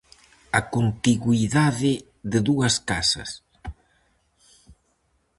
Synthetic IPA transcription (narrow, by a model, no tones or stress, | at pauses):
akont̪iɣwiðaðɪ | ðeðuɐskasɐ̰s